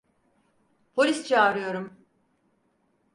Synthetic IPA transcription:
pʰo̞lʲist͡ʃʰaːɾɯjo̞ɾum

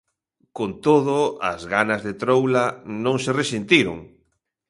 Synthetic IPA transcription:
kont̪oðʊa̰zɣanazðet̪ɾowlanõŋseresint̪iɾʊ̰ŋ

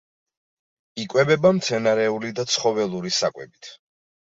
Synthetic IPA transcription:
ikʼwɛbɛbamt̪sʰɛnaɾɛulid̪at̪sʰχɔvɛlˠuɾisakʼwɛ̰bit̪ʰ

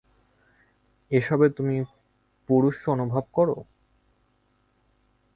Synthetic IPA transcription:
eʃɔbet̪umi | puɾuʃonubʱab̚kɔɾo̰

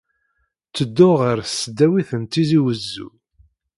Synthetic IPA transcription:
t͡sːəd̪ːʊʁəɾsd̪ːæwiθənt̪ːiziwəzːṵ

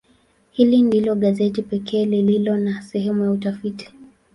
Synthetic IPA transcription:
hilindilɔɠazɛtipɛkʰɛːlililɔnasɛhɛmujautafiti̥

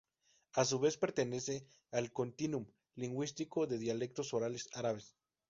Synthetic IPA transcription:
as̬uβespeɾt̪enese | alkont̪inum | liŋɡwist̪ikoðeðjalek̚t̪osoɾalesaɾaβes

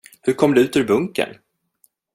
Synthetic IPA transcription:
hɵɾkʰɔmd̪ɛʉ̟ːt̪ʉɾbɵŋkə̰n

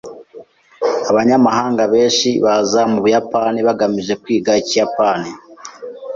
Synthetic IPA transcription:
aβaɲamaɦaːŋɡaβe̞ːnʃiβazamuβujapaniβaɡamiʒe̞kwiːɡaicijapaːni

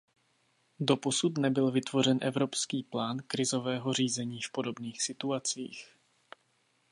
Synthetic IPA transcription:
do̞po̞sut̪nɛbɪlvɪt̪vo̞r̝ɛnʔɛvɾo̞pskiːplaːnkɾɪzo̞vɛːɦo̞r̝iːzɛɲiːfpo̞do̞bniːxsɪt̪uat͡sḭːx

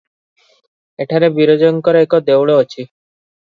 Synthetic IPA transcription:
eʈʰaɾebiɾod͡ʑonkɔɾeekod̪ewɭoot͡ɕʰi

